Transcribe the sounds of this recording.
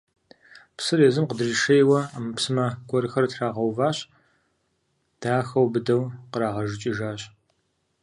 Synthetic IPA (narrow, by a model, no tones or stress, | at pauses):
psɨreːzɨmqədriʂɐjwɐaːmɨpsɨmɐɡʷɔɾɨxɐrtraːʁɐwvaːɕʼ | d̥aːxɐwbɨdɐwqəɾaːʁɐʒɨt͡ʃʼɪʒaːɕʼ